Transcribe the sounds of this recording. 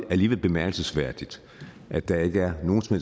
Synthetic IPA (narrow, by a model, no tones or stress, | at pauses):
æliːʋel̰b̥e̝mæɐɡ̥l̩səsʋæɐ̰d̥id̥ | ʔæ̥d̥ɑ̈e̝ɡ̥əæɐno̝ːn̩smhḛ